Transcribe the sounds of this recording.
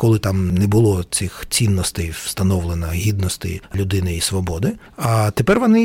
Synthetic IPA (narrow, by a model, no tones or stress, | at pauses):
kɔlˠɪt̪amnɛbʊlˠɔt͡sʲɪxt͡sʲinːɔst̪ɛjʋst̪ɐnɔʋlˠenɐɦʲid̪nɔst̪ɛ̰jlʲʊd̪ɪnɪisʋɔbɔd̪ɪ | ɐt̪epɛrʋɔnɪ